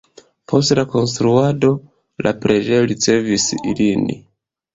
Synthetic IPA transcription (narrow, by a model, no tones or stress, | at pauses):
pʰo̞stlako̞ns̬t̪ɾuado̞ | la̰pɾʔe̞d͡ʒe̞jo̞ɾit͡se̞visḭlinḭ